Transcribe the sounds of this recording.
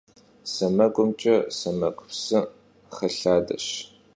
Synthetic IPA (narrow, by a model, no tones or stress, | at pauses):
sɐmɐkʷʼʊmt͡ʃʼɐsɐmɐqʷʼʊpsɨ | χɐɬaːdɐ̰ɕ